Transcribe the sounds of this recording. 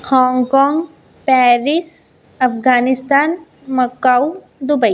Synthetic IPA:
hɔ̃ːŋɡkɔːŋɡ | pɛːɾɪs | ɐfɡaːnɪst̪aːn | mɐkaw | d̪ʊbəi

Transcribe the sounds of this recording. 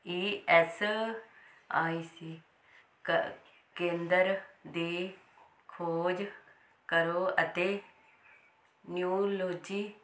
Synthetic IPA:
iːɛs | aːiːsiː | kẽːnd̪əɾd̪eː | kʰoːd͡ʒ | kəɾoːət̪eː | njuːloːd͡ʒiː

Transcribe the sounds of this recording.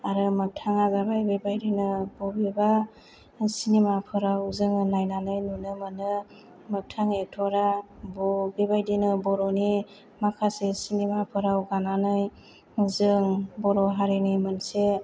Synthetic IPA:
aɾɯmɯk̚tʰaŋaɡabajbebajdinɯbɔbeba | sinemapʰɯɾawzɯŋɯnajnanɯjnunɯmɯnɯ | mɯk̚tʰaŋetʰɔɾabɔbebajdinɯbɔɾɔni | makʰasesinemapʰɯɾawɡananɯj | zɯŋbɔɾɔɦaɾenimɯnse

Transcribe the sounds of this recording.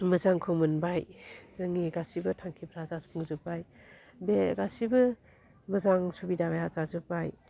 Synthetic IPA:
mɐzaŋkʰɯmɯnbajzɯŋiɡasibɐtʰaŋkʰipɾazazpʰuŋzupaj | beɡasibɐ | mɐzaŋsubidabajazazupaj

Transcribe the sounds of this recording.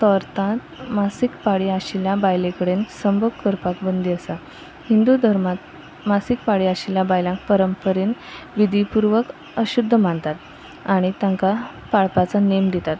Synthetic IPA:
t̪ɔɾt̪ãt̪masikpaɽiaɕilabajlekəɽensəmbʱəkkːəɾpakbənd̪ʱiəsa | hind̪ud̪ʱəɾmat̪ | masikpaɽiaɕiljabajlãŋk̚pəɾəmpəɾenʋid̪ʱipuɾʋək | əɕud̪ʱːəmaɳt̪at̪ | aɽ̃it̪ãŋka | paɭpat͡sanemd̪it̪at̪

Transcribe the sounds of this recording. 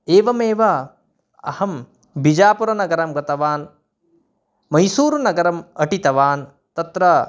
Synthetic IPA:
eːʋɐmeːʋɐ | ɐ̰hɐm | bid͡ʒaːpuɾɐnɐɡɐɾɐmɡɐt̪ɐʋaːn | mɐjsuːɾunɐɡɐɾɐmɐʈit̪ɐʋaːn | t̪ɐt̪ɾɐ

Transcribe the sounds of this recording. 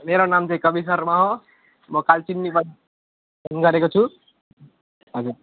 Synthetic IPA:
meɾonamt͡ʃẽkʌbis̬əɾmaɦo | mʌkalt͡ʃinːipʌ | nɡʌɾekot͡ʃʰu | ɦʌd͡ʒuɾ

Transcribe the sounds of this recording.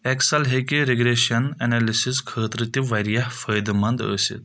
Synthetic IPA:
eksɐlɦekiɾeɡɾeːʃɐnɐnɐlisiskʰəːt̪ɾɨt̪iʋɐɾijɐhfəjd̪mɐnd̪ə̰sḭt̪

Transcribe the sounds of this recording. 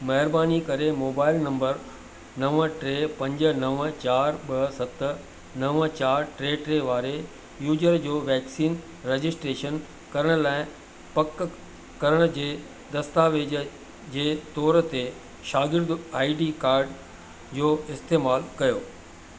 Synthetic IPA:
mɐɦɪɾbaːnikɐɾemoːbaːɪlnɐ̃mbəɾ | nɐʋʈɾeːpɐ̃ɲd͡ʑə̆nɐʋt͡ɕaːɾɓɐɦsɐt̪ | nɐʋt͡ɕaːɾʈɾeːʈɾeʋaːɾe | juːd͡ʑəɾd͡ʑoːʋɛːksiːn | ɾeːd͡ʑɪsʈɾeːʃən | kɐɾəɽ̃ʊlaːɪ̃ | pɐk | kɐɾəɽ̃ʊd͡ʑeː | d̪ɐst̪aːʋeːd͡ʑə | d͡ʑeːt̪ɔːɾət̪e | ʃaːɡɪɾd̪aːiɖikaːɾɖ | d͡ʑoːɪst̪eːmaːlkɐjoː

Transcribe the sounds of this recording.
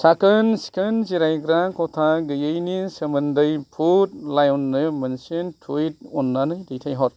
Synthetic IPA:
sakɯnsi̥kʰɯnziɾajɡɾakɔtʰaɡɯjɯjnisɐmɐndɯjpʰut̚lajɔnːɯmɐnsentʰuit̚ɔnːanɯjdijtʰajɦɔt̚

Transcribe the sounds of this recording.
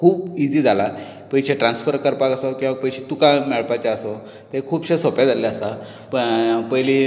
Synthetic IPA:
kʰuːbid͡ziːd͡zʱala | pəjɕeʈɾansfəɾkəɾpakəsokĩʋapəjɕet̪ukamɛɭpat͡ɕaəso | t̪ekʰuːpɕesɔpjad͡zalaəsa | ppəjli

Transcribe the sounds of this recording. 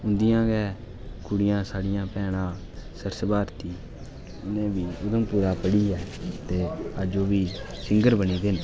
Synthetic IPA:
ʊnd̪ijãːɡɛː | kʊɽɪjãːsaːɽɪjãːpɛːɽ̃ãː | səɾsəbaːɾt̪iː | ɪnẽːbiːʊd̪əmpuːɾaːpəɽiːɛːt̪eːəd͡ʒoːbiːsɪŋɡəɾbəniːd̪ɪn

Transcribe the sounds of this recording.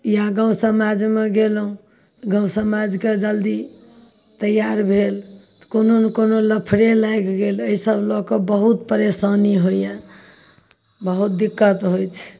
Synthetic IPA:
jãɡãw̃səmad͡ʒmeɡelũ | ɡãw̃səmad͡ʒked͡ʒəld̪i | t̪əjaɾbʱelt̪kononkonoləpʰɾelajkɡeləisəblɔkəbəɦut̪pəɾesaniɦojjã | bəɦut̪̚d̪ikːət̪ɦojt͡ʃʰ

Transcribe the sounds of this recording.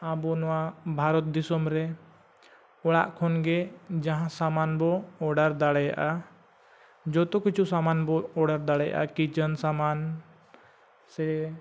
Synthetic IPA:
abɔnɔwabʱaɾɔt̪̚d̪isɔmɾɛ | ɔɽa̰ʔkʰɔnɡɛd͡ʒãɦãsamanbɔːɽaɾd̪aɽɛja̰ʔa | d͡ʒɔt̪ɔkit͡ʃʰusamanbɔɔɽaɾd̪aɽɛja̰ʔa̰kit͡ʃənsaman | sɛ

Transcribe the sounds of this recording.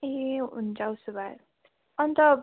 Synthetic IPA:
eɦiɦṵnd͡zawsubaɾ | ʌnt̪ʌb

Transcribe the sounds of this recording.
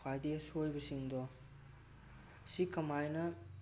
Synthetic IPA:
kʰajdesojbɐsiŋdɔ | sikɐmajnɐ

